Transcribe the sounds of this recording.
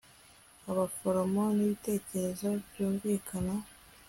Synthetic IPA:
aβafoɾomo̞niβite̞ːce̞ɾe̞zoβjoːŋɡeːkʰana

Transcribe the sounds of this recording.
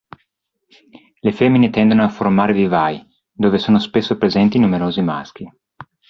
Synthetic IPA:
lefemːinet̪ɛnd̪onoafːormaːɾedivaj | d̪oːvesoːnospesːopɾezɛnt̪inumeɾoːzima̰sk̟i

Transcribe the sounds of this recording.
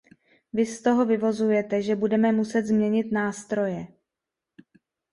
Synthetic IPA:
vɪst̪o̞ɦo̞vɪvo̞zujɛt̪ɛʒɛbudɛmɛmusɛt̪zmɲɛɲɪt̪naːst̪ɾo̞jɛ

